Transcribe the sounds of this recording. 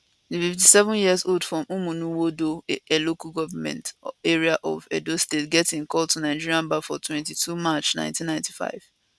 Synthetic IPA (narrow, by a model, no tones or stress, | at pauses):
dififtisɛvʊ̃njiəzoldfɹɔ̃mumũnũwodoelokalɡɔvamɛ̰̃nteɹiaʔɔ̰vɛ̰dostetɡɛtɪ̃nkʰɔltʰunaɪd͡ʒiɹiãnbafɔtʰwɛ̃ntitʰumat͡ʃnã̰ɪ̃ntĩnːãɪ̃nti̥fa̰ɪv̥